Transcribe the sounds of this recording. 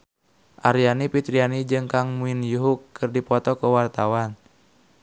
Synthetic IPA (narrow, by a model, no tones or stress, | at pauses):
ʔaɾijanipit̪ɾianid͡ʒɨŋkaŋmuinjuɦukːɨrdipɔt̪ɔkəwart̪awan